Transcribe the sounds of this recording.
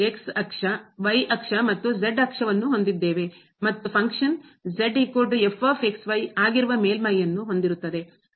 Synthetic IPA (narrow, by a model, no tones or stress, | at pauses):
eksɐkʂɐʋɐjʔɐkʂɐmɐt̪ːud͡ʒeɖɐkʂɐʋɐnːuɦo̞nd̪id̪ːe̞ːʋe̞ | mɐt̪ːupʰɐŋkʂɐnd͡ʒeɖɦikːoːɾɖefʰaːpe̞ksʋɐjaːɡiɾuʋɐme̞ːlmɐjːɐnːuɦo̞nd̪iɾut̪ːɐd̪e̞